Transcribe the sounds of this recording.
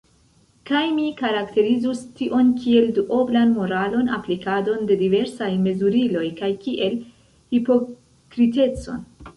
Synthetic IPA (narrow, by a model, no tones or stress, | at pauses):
kajmikaɾakte̞ɾizustiʔo̞nkie̞lduʔo̞blanmo̞ɾalo̞na̰plikado̞nde̞dive̞ɾsajme̞zuɾilo̞jkajkiʔe̞l | hipo̞ | kɾite̞t͡so̞̰n